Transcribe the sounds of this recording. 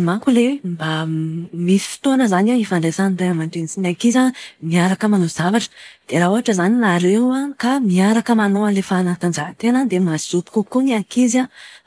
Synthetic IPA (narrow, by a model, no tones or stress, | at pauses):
maŋkulewmbamisi̥fi̥t̪onəzanewifaɳɖ͡ʐasanaamanɖ͡ʐensinakizamiaɾakəmanozavaʈ͡ʂə̥d̪̥eɾauɦaʈ͡ʂəzanilaɾewakamiaɾakəmanoalefaːnat̪and͡ʒaɦt̪enad̪emasiz̥upi̥kukuniakiza